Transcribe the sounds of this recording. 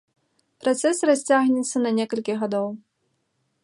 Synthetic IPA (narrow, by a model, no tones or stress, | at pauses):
pɾat̪sɛsrasʲt͡sʲaɣnʲɛt̪sːɐnɐnʲɛkɐlʲkʲiɣad̪ɔw